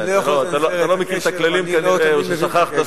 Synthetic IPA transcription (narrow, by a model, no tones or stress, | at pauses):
loat̪aloat̪alomekilt̪aklalimkaneoʃeʃaχaχt̪a